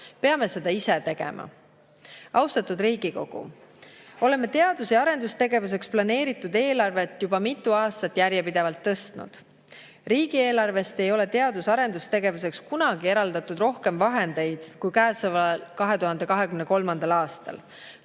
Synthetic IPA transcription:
peɑme̞se̞d̪̥ɑise̞t̪e̞ɡ̥e̞̰mʔɑ̰ | ɑwst̪ɑt̪ːˑud̪ɾiːɡ̥iko̞ɡ̥ṵ | o̞le̞mːe̞t̪e̞ɑd̪̥useɑɾe̞nd̪ust̪e̞ɡe̞vus̬e̞ksplɑne̞ːɾit̪ːˑud̪e̞ːlɑrve̞t̪ːˑjubɑmit̪ːˑuɑːst̪ɑt̪ːjærjepid̪̥e̞vɑlt̪ːɤst̪nṵd̪̥ | riːɡ̥ie̞ːlɑrve̞st̪e̞jo̞le̞t̪e̞ɑd̪usɑɾe̞nd̪ust̪e̞ɡe̞vus̬e̞kskunɑɡ̥ie̞ɾɑld̪̥ɑt̪ːˑud̪ro̞hke̞mvɑɦe̞nd̪e̞jd̪̥kujkæːsɑvɑlkɑɦet̪uɦɑnd̪e̞kɑɦe̞kymneko̞lmɑnd̪̥ɑlɑːst̪ɑ̰l

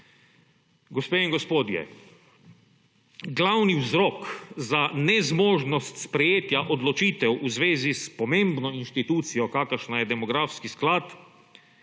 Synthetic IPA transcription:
ɡɔspeːiŋɡɔspoːd̪jɛ̰ | ɡlawniwzɾɔːkzanɛzmoːʒnɔst̪spɾɛjeːt̪jaʔɔd̪lɔt͡ʃiːt̪ɛwʔuzʋeːzispɔmẽmbnɔinʃt̪it̪uːt̪sijɔkaːkəɾʃnajɛd̪ɛmɔɡɾaːfskisklaːt̪

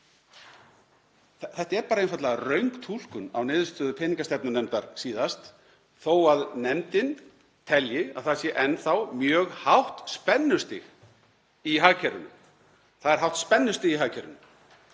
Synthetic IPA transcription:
θɛht̪aɛɾpaːɾaenfat̪laɣarœɥŋkt̪ʰul̥kʏna̰wnɪːðʏst̪œːðʏpʰɪːniŋkast̪ɛp̚nʏnɛmt̪aɾ̥siːðast̪ | θowaðnɛmt̪ɪn | t̪ʰɛljɪaðθasjɛʔɛnθawmjœːɣhawht̪spɛnːʏst̪ɪ̰ɣ | iɦaːɣcʰɛɾʏnʏ̰m | θaðɛɾ̥ɦawht̪spɛnːʏst̪ɪɣiɦaːɣcʰɛɾʏ̰nʏm

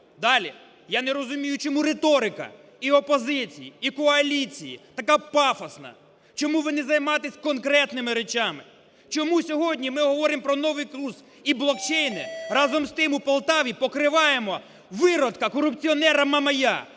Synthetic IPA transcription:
d̪ɑlʲi | janeɾɔzʊmʲijʊt͡ʃɔmuɾet̪ɔɾɪkɐ̰ | iɔpɔzɪt͡sʲijiːkɔɐlʲit͡sʲijḭt̪ɐkapɑfɐsnɐ̰ | t͡ʃɔmuʋɪnɪzɐjmɑt̪ɪsʲkɔnkɾɛt̪nɪmɪɾet͡ʃamɪ | t͡ʃɔmusʲɔɦɔdʲnʲimɪɦɔʋɔɾɪmpɾɔnɔʋɪjkluz | iblˠɔkt͡ʃejnɪrɑzɔmst̪ɪmupɐlˠt̪ɑʋʲipɔkɾɪʋɑjemɔ | ʋɪɾɔt̪kɐkɔɾʊpt͡sʲiɔnɛɾɐmɐmɐja̰

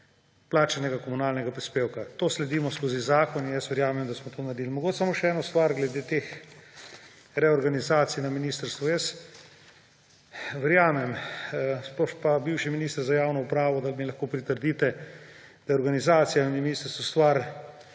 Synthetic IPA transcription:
plaːt͡ʃanɛɡakɔmunaːlnɛɡapɾispeːwkat̪oːslɛd̪iːmɔskoːzizaːkɔninjɛsʋɛɾjaːmɛmd̪asmɔt̪oːnaɾd̪iːlmɔɡoːt͡ʃsamoʃɛɛːnɔst̪ʋaɾɡlɛd̪eːt̪eːx | ɾɛɔɾɡanizaːt̪sijnaminiːst̪ɾst̪ʋɔjɛs | ʋɛɾjaːmɛmspɔʃpabiwʃiminiːst̪əɾzajaːwnɔupɾaːʋɔd̪almilɐxkoːpɾit̪əɾd̪iːt̪ɛ | d̪̥ajɔɾɡanizaːt̪sijaniminist̪əɾst̪ʋɔst̪ʋaɾ

